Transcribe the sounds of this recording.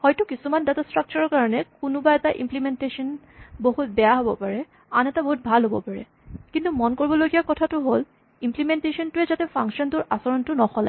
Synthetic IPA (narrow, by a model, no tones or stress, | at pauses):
hɔjtʊkisumandatastɹak̚t͡ʃɔɹɔɹkaɹɔnɛkʊnʊbaɛtaʔḭmplimɛntesɔn | boɦut̚bɛjaɦobɔpaɹɛ | anɛtaboɦut̚bʱalɦobɔ̰paɹɛ̰ | kintumɔnkoɹibɔlojɡijakɔtʰatʊɦol | implimɛntesɔntʊɛzatɛpʰaŋkʃɔntʊɹʔasɔɹɔntʊnɔxɔla̰